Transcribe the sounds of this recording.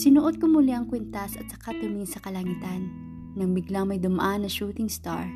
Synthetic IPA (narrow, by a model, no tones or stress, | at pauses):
sɪnʊʔot̪̚komʊliɐŋkwɛnt̪asɐ̰t̪̚sɐ̥kat̪ɪnisɐkɐlɐŋɪt̪anː | ɐŋbɪɡlaŋmɐjd̪ʊma̰ʔanːɐʃuːt̪ɪŋst̪a̰ɹ